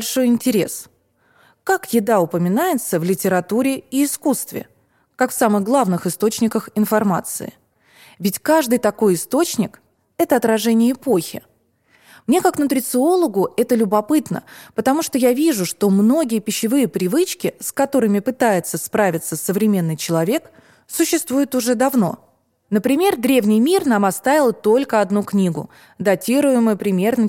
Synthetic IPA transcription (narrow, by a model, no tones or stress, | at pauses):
lʲʂo̞jɪnʲtʲɪɾʲe̞̰s | kakjɪd̪aʊpəmʲɪnajɪt̪səvlʲɪtʲɪɾɐt̪uɾʲɪiːskust̪vʲɪ̰ | kakfsamɨɣɡlˠavnɨxɨst̪o̞t͡ɕnʲɪkəxɪnfɐrma̰t̪sɨ̰ɪ̰ | vʲɪtʲkaʐd̪ɨjt̪ɐko̞jɪst̪o̞t͡ɕnʲɪk | ɛt̪əɐt̪ɾɐʐɛnʲɪjəɪpoxʲɪ̰ | mnʲekaknʊt̪ɾʲɪt̪sɨo̞lˠəɡʊɛt̪əlʲʊbɐpɨt̪nə̰pət̪ɐmuʂt̪ojavʲiʐʊʂt̪o̞mno̞ɡʲɪjəpʲɪɕːɪvɨjəpɾʲɪvɨt͡ɕkʲɪskɐt̪o̞ɾɨmʲɪpɨt̪ajɪt̪səspɾavʲɪt̪səsːəvɾʲɪmʲe̞nːɨjt͡ɕɪlˠɐvʲe̞k | sʊɕːɪst̪vujɪt̪ʊʐɛd̪ɐvno̞ | nəpɾʲɪmʲe̞rd̪ɾʲevnʲɪjmʲirnamɐt̪st̪avʲɪlˠt̪o̞lʲkəɐd̪nuknʲiɡʊ̰ | d̪ɐtʲiɾʊjɪmʊjʊpɾʲɪmʲe̞rnə